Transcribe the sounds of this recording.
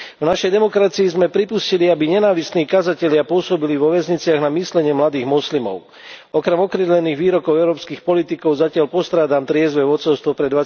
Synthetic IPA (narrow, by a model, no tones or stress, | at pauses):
vnaʃɛjd̪ɛmɔkɾat͡siizmɛpɾipusciliabiɲɛnaːʋisniːkazacɛʎɪapʊɔsɔbiliʋɔʋɛzɲit͡sɪaɣnamislɛɲɪɛmlad̪iːɣmɔslimɔ̰ʊ | ɔkɾɛmɔkɾɛd̪lɛniːɣʋiːɾɔkɔʊɛʊɾɔːpskiːxpɔlit̪ikɔʊzacɪalpɔst̪ɾaːd̪aːmt̪ɾɪɛzʋɛʋɔt͡sɔʊst̪ʋɔpɾɛd̪ʋa